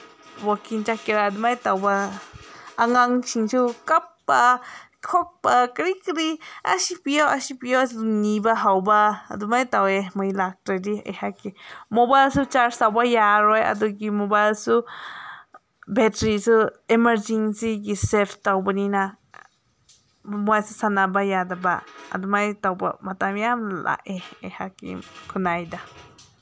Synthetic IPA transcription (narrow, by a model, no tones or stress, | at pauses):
wɔkint͡ʃakeɾad̪umajt̪awba | aŋaŋsʰiŋt͡ʃukapːa | kʰɔk̚pakɾikɾia̰sipijoasipijounibaɦawba̰ːd̪umajt̪aweməjlak̚ʈadiə̰jhakemobajlsut͡ʃaɾsawbajaɾɔja̰duɡimobajlsu | bɛtɾisɯemaɾd͡ʒiŋsiɡisɛlfʰtawbanina | muasɯsanabajadaba̰ːd̪umajtawba̰matamiamlʔa̰ʔeehakḭkʰunajda